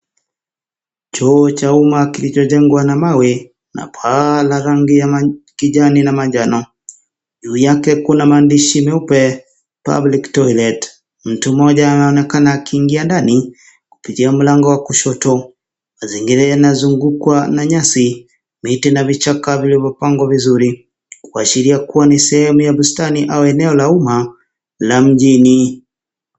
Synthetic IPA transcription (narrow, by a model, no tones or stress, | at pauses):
t͡ʃɔːt͡ʃaumakilit͡ʃɔʄɛŋɡwanamawɛ | na̰pʰalaɾaŋɡijamakiʄaninamaʄanɔ | ʄuːjakɛkunamaːndiʃimɛupɛ | pa̰bliktɔjlɛt | m̩tumɔʄaːnaɔnɛkanaːkiːŋɡiandani | ku̥pitiam̩laŋɡɔwakuʃɔtɔ | maziŋɡiɾɛnazuŋɡukwanaɲasi | mitinavit͡ʃakavilivɔpaŋɡwavizuɾi | kwaʃiɾiakuwanisɛhɛmujaɓustaniʔauɛnɛɔlauma | lam̩ʄini